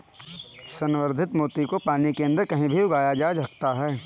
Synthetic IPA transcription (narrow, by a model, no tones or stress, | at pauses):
sɐnʋəɾd̪ʱɪt̪moːt̪ikopaːnikeɐ̃nd̪əɾkɐɦĩbʱiʊɡaːjad͡ʒaːd͡ʒɦɐk̚t̪aɦɛː